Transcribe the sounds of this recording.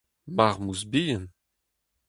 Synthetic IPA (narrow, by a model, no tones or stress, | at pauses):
maʁmuzbijən